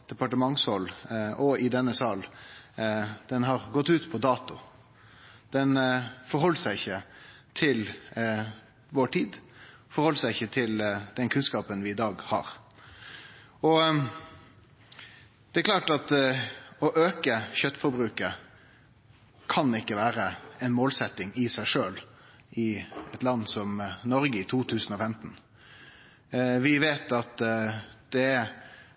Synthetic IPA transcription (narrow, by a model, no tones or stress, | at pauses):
d̪̥ɛpɑʈəmɑŋshɔlɔɪd̪ɛnːəsɑːl | d̪̥ɛnɦɑɾɡɔt̪ːʉːt̪pʰɔd̪ɑːt̪ʊ | d̪̥ɛnfɔɾhɦɔlːsæɪɪçːət̪ʰɪl | ʋɔʈʰiːd̪ | fɔɾhɔlːəsæɪɪçːət̪ʰɪld̪̥ɛnkʰʉnskɑːpənʋɪɪd̪ɑːɡhɑ̰ɾ | ɔ | d̪̥ɛæɾklɑːʈɑt̪ | ɔʔøːkəçœt̪ːfɔɾbɾʉːkə | kʰɑnɪkːəʋæːɾəɛnmoːlsɛt̪ːɪŋɪsæɪʂøːl | ɪɛt̪lɑnːsɔmnɔɾɡəɪt̪ʰuːt̪ʰʉːsən̩ɔfɛmt̪n̩ | ʋɪʋeːt̪ɑt̪d̪̥ɛæ